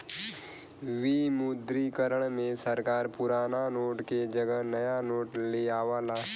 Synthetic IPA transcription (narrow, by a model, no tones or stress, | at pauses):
ʋimud̪ɾikəɾəɽ̃mẽsəɾkaːɾpʊɾaːnanoːʈked͡ʒəɡənɐjanoːʈleaːʋaːlaː